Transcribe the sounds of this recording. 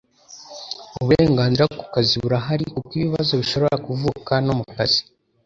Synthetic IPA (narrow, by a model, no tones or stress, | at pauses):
uβuɾeːŋɡaːnziɾakukaziuɾaɦaɾikuɡiβiβazo̞βiʃo̞βo̞ɾakuvuːkanomukazi̥